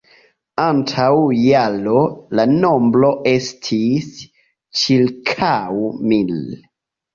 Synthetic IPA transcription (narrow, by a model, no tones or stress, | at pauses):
antʰawjalolano̞mblo̞ʔe̞stʰis | t͡ʃilkʰawmil